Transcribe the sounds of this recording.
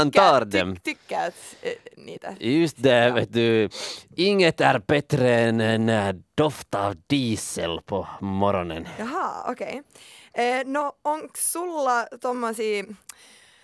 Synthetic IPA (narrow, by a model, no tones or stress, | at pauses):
nt̪ɑːɾd̪ɛmt̪ʰkːət̪nḭːt̪ə̰jʉst̪̚d̪ɛʋɛt̪̚d̪ʉ | ɪŋːət̪æɾbɛt̪ɾəɛnɛnd̪̥ɔft̪ɑʋd̪iːsəlpʰɔmɔɾɔnə̰njɑɦɑo̰kʰeː | nɔɔŋksulːɑt̪ɔmːɑsi